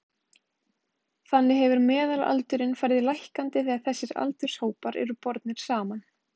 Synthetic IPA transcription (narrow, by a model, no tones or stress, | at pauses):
θanːɪɦɛvʏɾmɛːðala̰lt̪ʏɾɪnfajɾðɪlajhkant̪ɪθiaðθɛsːɪɾa̰lt̪ʏ̥shoːwpaɾɛ̰ɾʏpɔɾt̪nɪɾ̥saːman